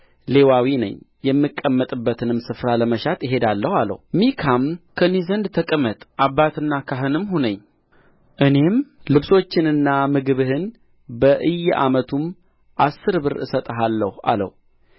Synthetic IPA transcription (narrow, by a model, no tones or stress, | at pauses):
le̞wawinə̰ɲjɛmːɨkʼːəmːət̪ʼɨbːət̪ʰɨnɨmsɨfɾaləməʃat̪jɪɦe̞d̪alːəhalə̰hmikʰamkʰənezənd̪t̪ʰəkʼəmət̪ʼʔabːat̪ɨnːakʰaɦɨnɨmɦunəɲː | ʔɨne̞mlɨβso̞t͡ʃːɪnɨnːamɨɡɨβɨhɨn | bəʔɨjːʔamət̪ʰum | ʔasːɨɾbɨɾɨ̰sət̪ʼəɦalːəhua̰lə̰h